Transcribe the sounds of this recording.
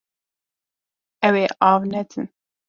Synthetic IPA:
ɛweːʔɑːvnɛt̪ʰɨn

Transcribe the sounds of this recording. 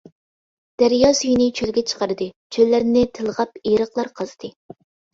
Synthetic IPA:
d̪̥æɾjɑsyjinɪt͡ʃʰølɡʲɛt͡ʃʰə̥qɑɾɨd̪ɨ | t͡ʃʰølːæɾnɪt̪ʰɨlˠʁɑpeɾəχlˠɑɾqʰɑzɨt̪ʰɨ

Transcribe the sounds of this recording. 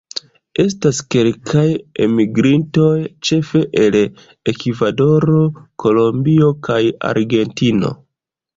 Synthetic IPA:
e̞s̬taske̞lkʰajemiɡɾinto̞jt͡ʃe̞fe̞ʔel | ekivado̞ɾo̞ko̞lo̞mbiokaja̰ɾɡe̞ntino̞̰

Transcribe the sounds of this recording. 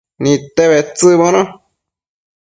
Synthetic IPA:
nĩt̪eβet͡sɨβõnõ

